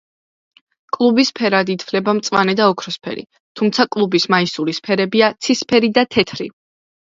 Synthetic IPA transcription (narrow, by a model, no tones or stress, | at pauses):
kʼlˠubispʰɛɾad̪it̪ʰflɛbamt̪sʼwa̰nɛd̪aɔkʰɾɔspʰɛ̰ɾḭ | t̪ʰumt̪sʰakʼlˠubismaisulispʰɛɾɛbiat̪sʰispʰɛɾid̪at̪ʰɛt̪ʰɾḭ